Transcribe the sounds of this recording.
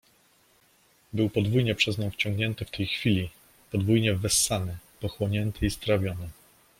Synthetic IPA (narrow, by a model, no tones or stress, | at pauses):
bɘwpɔd̪vujɲɛpʂɛzɲɔ̃w̃ft͡ɕɔ̃ŋɡɲɛnt̪ɘft̪ʰɛjxfʲilʲi | pɔd̪vujɲɛvɛsːanɘpɔxwɔɲɛnt̪ʰɘist̪ɾavʲjɔnɘ